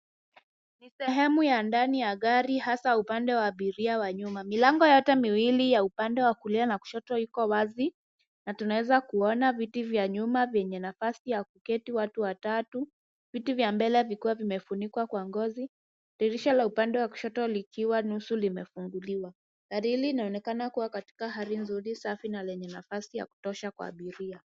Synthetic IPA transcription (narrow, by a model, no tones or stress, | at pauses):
nisɛɦɛmujandanijaɠaɾihasaupandɛwaːɓiɾiawaɲumamilaŋɡɔjɔtɛmiwilijaupandɛwakulianaku̥ʃɔtɔikɔwazi | natunawɛzakuɔnavitivjaɲumavjɛɲɛnafasijakukɛtiwatuwatatu | vitivjambɛlɛvikiwavimɛfunikwakwaŋɡɔzi | ɾiɾiʃalaupandɛwaku̥ʃɔtɔlikiwanusulimɛfuŋɡuliwa | kaɾiliːnaɔnɛkanakuwakati̥kaɦaɾinzuɾisafinalɛɲɛnafasija̰ku̥tɔʃakwa̰ːɓiɾia